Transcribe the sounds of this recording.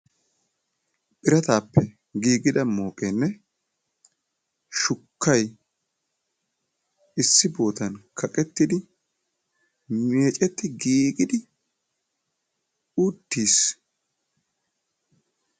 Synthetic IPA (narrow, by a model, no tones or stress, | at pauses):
pʼɪɾɐt̪aːpːɛ | ɡiːɡɪd̪ɐmo̞ːkʼenːɛ | ʃʊkʰːɐj | ɪsːɪbo̞ːt̪ɐnkʰɐkʼɛt̪ːɪd̪ɪ | meːt͡ʃʼɛt̪ːɪɡiːɡɪd̪ɪ | ud̪ːiːs